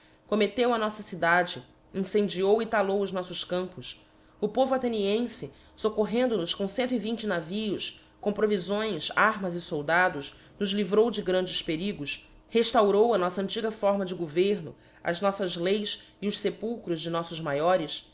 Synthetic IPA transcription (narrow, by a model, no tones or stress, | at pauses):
komet̪ewɐnɔsɐsid̪ad͡ʒɪ | ĩsẽnd͡ʒiowit̪alowʊʒnɔsʊʃkɐ̃mpʊs | ʊpovʊat̪eniẽsɪ | sokoɦẽnd̪ʊnʊskõw̃sẽnt̪ʊivĩnt͡ʃɪnaviʊs | kõpɾovizõj̃saɦmɐzɪsowd̪ad̪ʊz | nʊzlivɾowd͡ʒɪɡɾɐ̃nd͡ʒɪspeɾiɡʊs | heʃt̪awɾowɐnɔsɐɐ̃nt͡ʃiɡɐfɔɾmɐd͡ʒɪɡoveɾnʊ̰ | ɐ̰znɔsɐzlejsiʊʃsepuwkɾʊzd͡ʒɪnɔsʊzmajɔɾɪs